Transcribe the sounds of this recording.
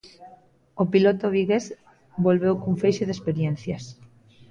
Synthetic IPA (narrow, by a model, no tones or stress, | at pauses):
opilot̪oβiɣes | bolβewkuɱfejʃeðespeɾjen̟θjɐs